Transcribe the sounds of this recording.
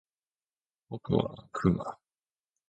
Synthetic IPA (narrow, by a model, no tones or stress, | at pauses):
b̥okɯ̟βa̰kʰɯɡa